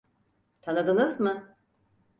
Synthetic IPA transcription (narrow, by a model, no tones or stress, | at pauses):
t̪ʰanɯd̪ɯnɯzmɯ